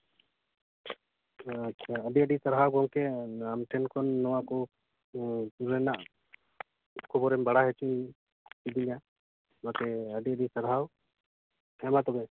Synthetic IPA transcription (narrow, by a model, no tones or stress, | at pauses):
atːʰaəɖiəɖisaɾɦawɡɔŋkɛamʈʰɛnkɔnːɔwakɔ | t̪uɾɛnaʔ | kʰɔbɔɾɛmbaɽaɦɛt͡ʃʰin | tid̪inja | mat̪ɛəɖiəɖisaɾɦaw | hɛmat̪ɔbɛ